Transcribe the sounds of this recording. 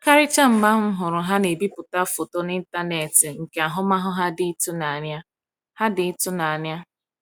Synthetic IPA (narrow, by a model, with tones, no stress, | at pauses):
ka˦ɾɪ˦t͡ʃa˦m̩˨ma˦ɦʊ˦ɦʊ˨ɾʊ˨ɦa˦ne˨bi˦pʊ˨ta˦fo˨to˦ni˦n̩˦ta˦ne˨tɪ˨ŋ̩˨ke˨a˨ɦʊ˦ma˦ɦʊ˦ɦa˦dɪ˦i˦tʊ˦na˨a˨nja˦ | ha˦dɪ˨i˦tʊ˦na˨a˨nja˦